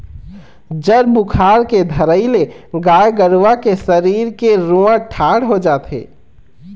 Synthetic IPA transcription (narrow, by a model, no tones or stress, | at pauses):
d͡ʒəɾbʊkʰaːɾked̪ʱɐɾəɪleɡaːjɡəɽʋakesɐɾiːɾkeɾũãʈʰaːɽɦod͡ʒaːt̪ɦḛː